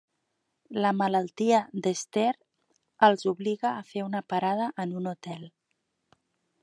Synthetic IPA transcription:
ləmələlˠt̪iəðəst̪eɾ | əlˠzuβliɣəːfeunəpaɾað̞əʔənunut̪ɛlˠ

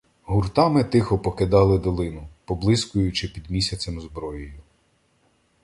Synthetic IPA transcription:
ɦurt̪ɑmɪt̪ɪxɔpɔkɪd̪ɑlˠɪd̪ɔlˠɪnʊpɔblˠɪskʊjʊt͡ʃɪpʲid̪mʲisʲɐt͡sʲɐmzbɾɔjjʊ

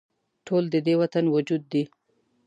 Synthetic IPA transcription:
ʈʰold̪əd̪ewat̪anwʊd͡ʒud̪ːi

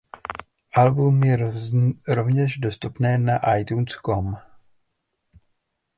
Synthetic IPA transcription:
ʔalbumjɛ | ɾo̞vɲɛʒdo̞st̪upnɛːnaʔajt̪uːnskom

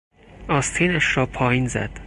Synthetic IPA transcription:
ɒːst̪ʰiːnæʃɾɒːpʰɒːjiːnzæ̰d̪̥

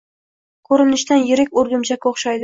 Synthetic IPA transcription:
kʲʰɵɾɪnɪʃd̪anjɪɾɪkʲoɾɡʲʊmt͡ʃakʲoχʃajd̪ɪ

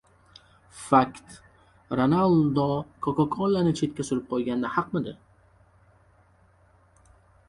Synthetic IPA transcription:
fakt̪ | ɾonalˠd̪ɒkʰɒkɒkʰɒnlːanɪt͡ʃʰe̞t̪̚kʲasʊɾɪp̚qʰɒjˠɡʲand̪ahɑqmɪd̪ɪ̰

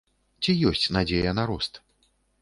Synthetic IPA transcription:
t͡sʲijɔsʲt͡sʲnad͡zʲejɐnaɾɔst̪

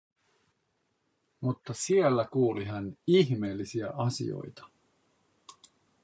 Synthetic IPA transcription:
mut̪ːɑsielːækuːliɦæniçme̞ːlːisiæʔɑsḭo̰jt̪ɑ̥

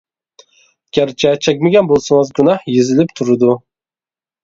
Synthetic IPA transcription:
ɡ̥ʲæɾt͡ʃʰɛt͡ʃʰɛk̚ʲmɪɡʲɛnbolˠsɨŋɨzɡʲynɑhjezɪlɪpt̪ʰuɾɨd̪u

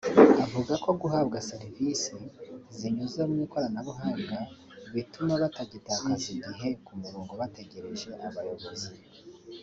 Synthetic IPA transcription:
avuɡako̞ɡuɦabɡaseɾivisiziɲuzeumŋiːko̞ɾanaβuɦaːmɡa | βitumaβataɟitaːkaziɡiɦe̞kumuɾuːŋɡo̞βate̞ɡe̞ɾe̞ʒe̞ʔaβajo̞βo̞zi

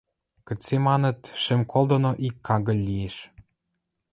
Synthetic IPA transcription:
kə̆t͡sːemɑnə̆t̪ʃĕmkʰolˠd̪ŏnoʔikːɑɣə̆lʲːijeʃ

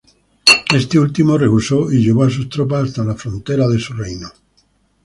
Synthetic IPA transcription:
e̞st̪eult̪imo̞re̞ɣuso̞iʎe̞β̞oas̬ust̪ɾop̬asast̪alafɾo̞nt̪e̞ɾað̞e̞surejno

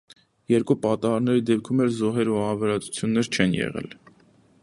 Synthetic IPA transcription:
jɛɾkupɑt̪ɑɑɾnɛɾid̪ɛp̚kʰumɛlzɔɦɛɾuɑɾvɛɾɑt͡su̥t͡sʰjunːɛɾt͡ʃʰɛnjɛ̰ʁɛ̰l

